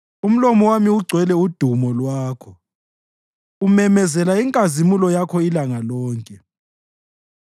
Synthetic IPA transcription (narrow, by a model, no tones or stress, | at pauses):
um̩lɔmɔwamiuɡ͡ǀʱwɛlɛud̥ʱumɔlwaːkʰɔ | umɛmɛzɛlaiŋkʼazimulɔjakʰɔilaŋalɔːŋkʼɛ